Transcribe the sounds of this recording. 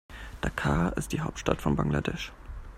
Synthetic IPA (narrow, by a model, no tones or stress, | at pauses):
d̥akʰaːɪstd̥iːɦaʊp̚tʃtatfɔnbaŋla̰dɛʃ